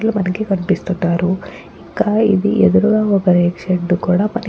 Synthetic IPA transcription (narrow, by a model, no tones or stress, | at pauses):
lumɐnɐɡekɐnipist̪unt̪ːaːɾu | iɡaid̪ḭʔed̪uɾuɡaːɐkɐɾeːkʂeɖːukuːɽamɐnɐ